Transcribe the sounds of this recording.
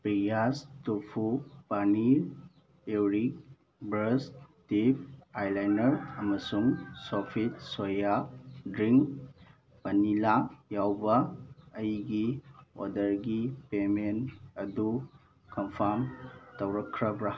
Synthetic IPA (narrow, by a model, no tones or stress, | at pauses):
pɾijastupʰupaniɾ | ewɾik̚ | bɾɐstip̚ajlajnɐɾɐmɐsuŋsopʰit̚sojadɾiŋk | pɐnilajawbɐːjɡio̰dɐɾɡipemenɐdu | kɐmpʰamtɐwɾɐkʰːɾɐbɾa